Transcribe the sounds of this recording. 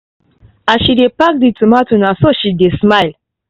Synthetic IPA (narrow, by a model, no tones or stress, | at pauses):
aʃidepak̚ditumatunasoʃidesmal